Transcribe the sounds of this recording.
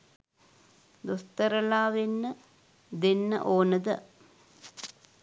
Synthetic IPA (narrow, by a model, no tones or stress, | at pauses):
d̪ost̪əɾəlaːʋenːə | d̪enːə̰ʔoːnəd̪ə̰